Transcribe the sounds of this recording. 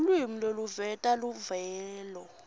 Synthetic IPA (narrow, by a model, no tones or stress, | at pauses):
lwimiloluvɛtʼaluvɛːlɔ